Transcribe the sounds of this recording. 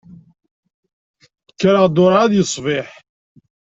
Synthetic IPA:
kːɾəʁd̪ʊɾʕaðjəsˤvɪħ

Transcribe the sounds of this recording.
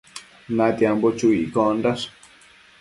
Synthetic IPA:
nãt̪jambot͡ʃuḭkondas

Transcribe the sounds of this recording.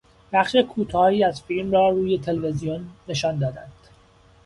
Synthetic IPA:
b̥æχʃekʰuːt̪ʰɒːhiːæzfilmrɒːɾuːje̞t̪ʰe̞levezijonːe̞ʃɒːnd̪ɒːd̪ænd̪̥

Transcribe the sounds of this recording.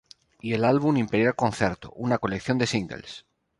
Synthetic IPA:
ie̞lalβunimpeɾjalkõ̞nθjeɾt̪o̰ʔunako̞le̞kθjo̞nd̪e̞siŋɡḛls

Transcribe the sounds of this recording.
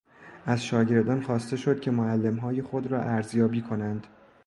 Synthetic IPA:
ʔæzʃɒːɟe̞ɾd̪ɒːnxɒːst̪e̞ʃo̞d̪̥̚cʰe̞moælːemɦɒːjexo̞d̪ɾɒːʔæɾzjɒːbiːkʰo̞nænd̪̥

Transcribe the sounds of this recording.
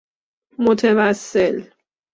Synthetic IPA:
mot̪ʰevæsːel

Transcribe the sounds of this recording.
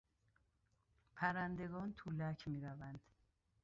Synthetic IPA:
pʰæɾænd̪e̞ɡɒːnt̪ʰulæcʰmiːɾævænd̪̥

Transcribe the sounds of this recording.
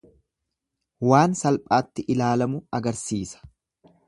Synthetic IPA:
waːnsɐlpʼaːt̪ːɪʔɪlaːlɐmʊɐɡɐɾsiːsɐ̥

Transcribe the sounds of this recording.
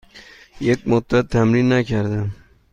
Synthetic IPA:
jek̚mʊd̪at̪ʰːamɾinːakʰaɾd̪ɪ

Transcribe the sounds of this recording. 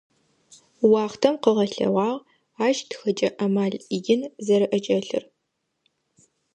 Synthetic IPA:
wɑːχtʰɐmqəʁɐɬɐ̰ʁʷɑːʁ | aːʒtxɐt͡ʃʼɐʔɐmaːɮiɡɪnzɐɾɨʔɐt͡ʃʼɐɬɨ̰r

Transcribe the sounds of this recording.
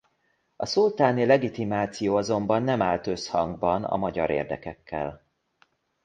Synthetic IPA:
ɒsult̪aːnilɛɡit̪imaːt̪sijoːɒzo̞mbɒnːɛmaːlt̪ø̞shɒŋɡbɒnɒ̰mɒɟɒɾḛːrd̪ɛkɛkʰːɛ̰l

